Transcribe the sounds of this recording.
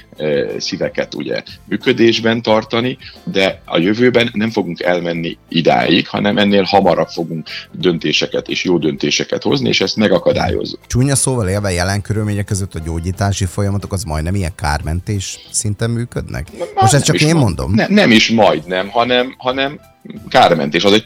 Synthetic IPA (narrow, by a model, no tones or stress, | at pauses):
sivɛkɛt̪ṵɟɛ̰myːkød̪eːʒbɛnt̪ɒrt̪ɒnid̪ɛɒ̰jøvøːbɛnːɛɱfo̞ɡuŋkɛlmɛnːḭid̪a̰ːjikhɒ̰nɛmʔɛnːeːlhɒmɒɾɒpfo̞ɡuŋkd̪ø̞nt̪eːʃɛkɛt̪ḛːʃjoːd̪ø̞nt̪eːʃɛkɛt̪ho̞zniḛːʃɛst̪mɛɡɒkɒd̪a̰ːjo̰zːukt͡ʃuːɲɒsoːvɒleːlvɛjɛlɛŋkøɾylmeːɲɛkːøzøt̪ːɒɟoːɟiːt̪aːʃifo̞jɒmɒt̪okɒzmɒ̰jd̪nɛmijɛŋka̰ːrmɛnt̪eːʃsint̪ɛmːyːkø̰d̪nɛ̰koʃɛst͡ʃɒkeːmːo̞nd̪o̰mnɛnɛmiʃmɒjd̪nɛmhɒnɛmhɒnɛm | kaːrmɛ̰nt̪eːʃɒzɛɟ